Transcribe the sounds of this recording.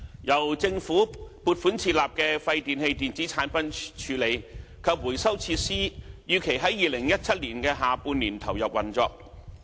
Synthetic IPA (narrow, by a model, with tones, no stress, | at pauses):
jɐ˨˩wt͡sɪ˧ŋfuː˨˥puː˧t̚fuː˨˥nt͡sʰiː˧t̚laː˨p̚kɛː˧fɐ˧jt̪iː˨nhe˧jt̪iː˨nt͡si˨˥t͡sʰaː˨˥npɐ˨˥nt͡ʃʰyː˨˥le˨˧jkʰɐ˨˧p̚wu˨˩jsɐ˥wt͡sʰiː˧tsiː˥jyː˨˧kʰe˨˩jɦɐ˨˥jiː˨˧lɪ˨˩ŋjɐ˥t̚t͡sʰɐ˥t̚liː˨˩nkɛː˧ɦaː˨˧puː˧nːiː˨˩nt̪ʰɐ˨˩wjɐ˨p̚wɐ˨˩nt͡sɔː˧k̚